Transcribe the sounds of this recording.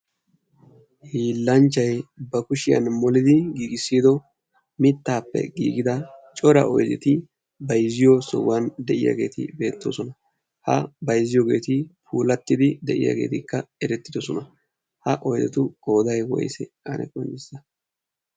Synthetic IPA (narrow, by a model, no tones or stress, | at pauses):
hiːlːɐnt͡ʃːɐjbɐkʊʃɪjɐ̰nmɔlɪd̪ɪɡiːɡɪsːiːd̪ɔ | mɪt̪ːaːpːɛ̰ɡḭːɡɪd̪ɐt͡ʃʼɔɾɐ̰ʔɔ̰jzɛt̪ɪ | bɐjzɪjɔsɔ̰wɐnd̪ɛʔɪ̰ja̰ɡe̞̰ːt̪ɪ̰be̞ːt̪ːoːsɔnɐ | hɐ̰bɐjzɪjoːɡe̞̰ːt̪ɪpʰuːlɐt̪ːɪd̪ɪd̪ɛʔɪ̰ja̰ɡe̞̰ːt̪ɪkːɐɛɾɛt̪ːɪd̪ɔsɔnɐ | hɐʔɔjzɛ̰t̪ʊkʼo̞ːd̪ɐjwɔ̰jsɛ | ɐnɛ̰kʼɔnːɪsɐ